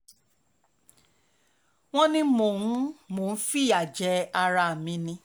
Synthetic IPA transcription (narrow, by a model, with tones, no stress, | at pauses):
w̃ɔ̃˦nĩ˧mo˨ñ̩˦mo˨n̩˦fi˦˨a˨d͡ʒɛ˧˦a˧ɾa˧˦˨mĩ˨˦nĩ˧